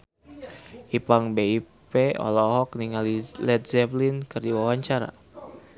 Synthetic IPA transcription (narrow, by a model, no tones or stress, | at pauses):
hipaŋbei | peɔ̰lɔɦɔk̚niŋalilɛt̪̚zɛvlinkɨrdiwawaɲt͡ʃaɾa̰